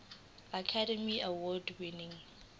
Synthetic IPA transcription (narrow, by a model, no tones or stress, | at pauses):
akʰadɛmiawɔldwinĩŋ